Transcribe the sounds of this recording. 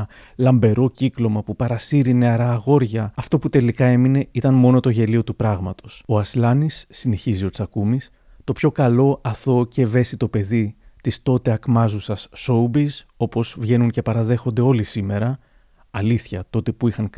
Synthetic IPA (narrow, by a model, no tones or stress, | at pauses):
lɐmbe̞ɾo̞ciklo̞mɐpupɐɾɐsiɾine̞ɐɾɐːɣo̞ɾʝɐɐft̪o̞put̪e̞likɐe̞mine̞it̪ɐnmo̞no̞t̪o̞ʝe̞lio̞t̪upɾɐɣmɐt̪oso̞ɐslɐnisːine̞çizio̞t͡sɐkumis | t̪o̞pço̞kɐlo̞ʔɐθo̞ce̞ve̞sit̪o̞pe̞ðit̪ist̪o̞t̪e̞ɐkmɐzusɐsːo̞ubis | o̞po̞zvʝe̞nunce̞pɐɾɐðe̞xo̞nd̪e̞o̞lisime̞ɾɐː | liθçɐt̪o̞t̪e̞puixɐŋ